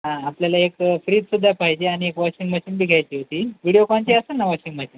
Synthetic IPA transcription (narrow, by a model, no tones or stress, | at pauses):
ɦãːpljalaekfɾiːt̪sud̪ʱːapaɦjd͡ʑeaɽ̃iekʋɔɕiŋɡməɕinbiɡʱajt͡ɕiːɦot̪iːʋiɽijokãɲt͡ɕiəsənːaʋɔɕiŋɡmaɕiŋ